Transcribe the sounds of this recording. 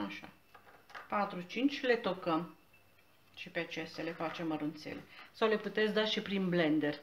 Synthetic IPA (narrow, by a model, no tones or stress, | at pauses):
aʃa̰ | pat̪ɾut͡ʃint͡ʃʲle̞t̪okəm | ʃipeat͡ʃesele̞fat͡ʃe̞məɾunt̪sḛle̞̰sawle̞put̪et̪sd̪aʃipɾinble̞nd̪e̞r